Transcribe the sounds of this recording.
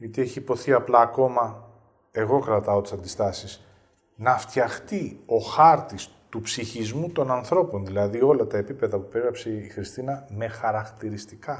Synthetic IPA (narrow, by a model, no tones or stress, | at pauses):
jɐt̪ie̞çiːpo̞θiɐplɐːko̞mɐ | e̞ɣo̞kɾɐt̪ɐo̞t̪i̥sɐnd̪ist̪ɐsis | nɐft̪çɐxt̪io̞xɐɾt̪ist̪upsiçizmut̪o̞nɐnθɾo̞po̞nðilɐðio̞lɐt̪ɐe̞pipe̞ðɐpupeɣɾɐpseixɾist̪inɐme̞xɐɾɐkt̪iɾist̪ikɐ